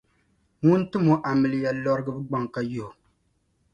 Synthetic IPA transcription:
ŋu˦n˦tɨ˦mo˨ʔa˨mɨ˨lɨ˨ja˨lɔ˦ɾɨ˦ɡɨ˦bɨ˦ɡ͡ba˦ŋka˦jo˨h

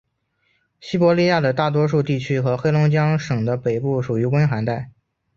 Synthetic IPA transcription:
ɕi˥pwɔ˧˥li˥˧ja˥˩d̪ə˩t̪a˥˩t̪̬wɔ˥ʂu˥˧t̪i˥˩t͡ɕʰy˥xɤ˧˥xe˥ɪlʊ˧˥ŋt͡ɕjɑ˥ŋʂɤ˨˩ŋd̪ə˦pe˨˩ɪpu˥˩ʂu˨˩y˧˥kwə˥nxa˧˥nt̪a˥˩ɪ

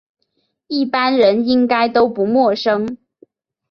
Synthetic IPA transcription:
i˥˩pa˥nɻə˧˦˥ni˦˥ŋka˥ɪt̪o˥ʊpu˨˧˥mwɔ˥˩ʂɤ˥ŋ

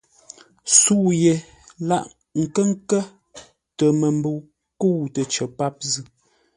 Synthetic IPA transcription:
suː˦˨je˨ | la˦ʔ | ŋ̩˨kə˦ŋ̩˦kə˦ | tə˨mə˨m˦bə˨ | kə˦wu˨tə˨t͡ʃə˨pa˦p̚zɨ˦˨

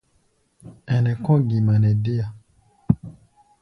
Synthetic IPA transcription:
ɛ˨nɛ̃˨kɔ̃˦ɡi˨mã˨nɛ̃˨de˦a˨

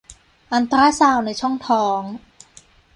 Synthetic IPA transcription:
ʔa˧nt̪ɾaː˦˥saː˧˩wna˧˩jt͡ɕʰɔ˥˩ŋt̪ʰɔː˨˦ŋ

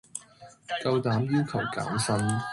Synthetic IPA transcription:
kɐ˧wt̪aː˨˥mjiː˥wkʰɐ˨˩wka̰ː˨˥msɐ˥n

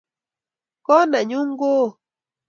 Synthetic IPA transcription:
ko˦na˨ɲu˦ŋɡo˦

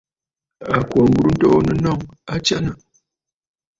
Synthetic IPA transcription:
a˨kwo˨ŋ˦ɡu˦ɾu˦n̩˦to˦nə˦nɔ˦˨ŋa˦t͡ʃa˦na˨

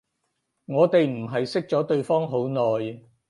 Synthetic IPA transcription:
ŋɔː˨˧t̪e˨jm̩˨˩ɦɐ˨jsɪ˥k̚t͡sɔː˨˥t̪ɵ˧ɥfɔː˥ŋɦo˨˥wnɔː˨j

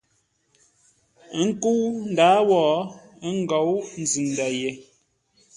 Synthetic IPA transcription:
ŋ̩˦ku˦wn̩˨daː˨˦wɔː˨˦ŋ̩˦ɡɔ˨˦wn̩˨zi˨n˨da˨je˨

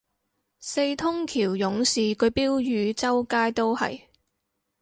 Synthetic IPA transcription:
se˧jt̪ʰʊ˥ŋkʰiː˨˩wjʊ˨˥ŋsiː˨kɵ˨˧ɥpiː˥wjyː˨˧t͡sɐ˥wkaː˥jt̪o˥whɐ̰˨j

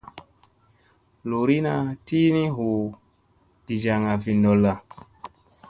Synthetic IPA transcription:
lo˨ɾi˦na˧ti˦ni˦ɦu˨ | d̥i˨d͡ʒa˨ŋa˨vi˨ndɔ˨la˨

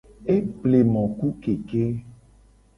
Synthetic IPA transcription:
e˦ble˨mɔ̃˨ku˦ke˨ke˦

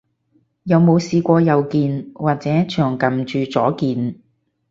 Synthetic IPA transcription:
jɐ˨˧wmo˨˧wsiː˧kʷɔː˧jɐ˨˧wkiː˧nwaː˨t̚t͡sɛː˨˥t͡ʃʰœː˨˩ŋkɐ˨mt͡ʃyː˨t͡sɔː˨˥kiː˨˧n

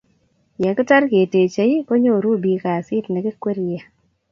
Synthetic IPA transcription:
ja˨kɪ˦ta˦ɾke˨te˨t͡ʃe˨i˦ko˦ɲo˦˨ɾu˦˨bi˨ka˨sɪ˦tnɛ˨kɪ˦kwe˦ɾja˨

